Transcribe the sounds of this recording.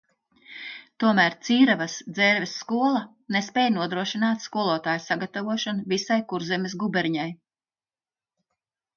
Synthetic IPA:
t̪uɔmæːɾt̪siːɾavasd̪zɛːɾvɛsːkuɔlˠɐ | nespɛːjnuɔd̪ɾuɔʃinaːt̪skuɔlˠuɔt̪aːjsaɡat̪avuɔʃɔnuvisajkuɾzɛmʲesɡubɛɾɲaj

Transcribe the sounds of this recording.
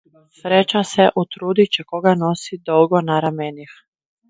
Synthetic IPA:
sɾet͡ʃaseʔut̪ɾuːd̪it͡ɕekoɡanosid̪olɡonaɾamenix

